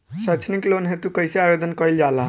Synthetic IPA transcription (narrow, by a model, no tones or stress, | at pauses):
sət͡ʃʰniklonɦet̪ukəjseajod̪ənkəjld͡ʒalã